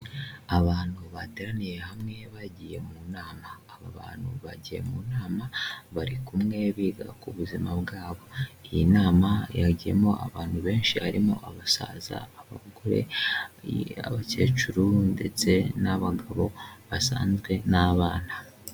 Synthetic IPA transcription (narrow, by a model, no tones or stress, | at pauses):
aβaːnhuβadeɾanije̞hamŋe̞βaɟije̞muːnaːmaːβaβa̰ːn̥huβaɟije̞̰muːnaːmaβaɾikumŋe̞βiːɡa̰kuβuzimabɡaːβo̞ijinaːmajaɟije̞̰mo̞a̰βaːnhuβe̞ːnʃihaɾimo̞̰ʔaβasa̰ːza̰ːβa̰ɡoɾe̞̰ | aβace̞ːt͡ʃuɾunde̞̰t͡se̞naβaɡaβo̞βasa̰ːnzɡwe̞naβaːna